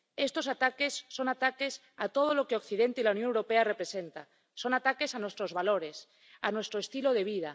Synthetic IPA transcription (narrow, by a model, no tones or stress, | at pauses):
est̪o̞sat̪ake̞sːo̞nat̪ake̞s | at̪oð̞olo̞keokθiðent̪eilaunjonewɾopearepɾesent̪a | so̞nat̪ake̞sanwest̪ɾozβalo̞ɾe̞s | anwe̞st̪ɾoest̪iloðe̞β̞ið̞a